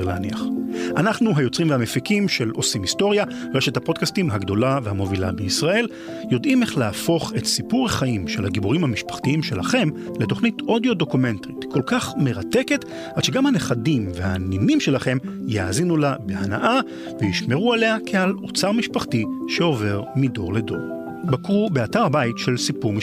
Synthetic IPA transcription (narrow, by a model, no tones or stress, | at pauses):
leaniaχʔanaχnuɦajo̞t͡sʁimveamefikimʃe̞lo̞simisto̞ʁja | ʁeʃethapo̞d̚kastimɦaɡd̪o̞lavehamo̞vila̰beisʁae̞l | jo̞dimeχleafo̞χe̞tsipuʁeχaimʃe̞lhaɡibuʁimhamiʃpḁχtiimʃelaχe̞m | leto̞χnito̞djo̞do̞kumentʁitkʰo̞lkaχme̞ʁate̞ke̞t | alʃeɡamhane̞χadimvehanimimʃelaχe̞mjaaːzinulabe̞ana̰ʔa | vejiʃme̞ʁuale̞akʰealo̞t͡saʁmiʃpaχtiʃeo̞ve̞ʁmido̞̰ʁledo̞̰ʁ | bakʁubeataʁabaitʃe̞lsipuʁmi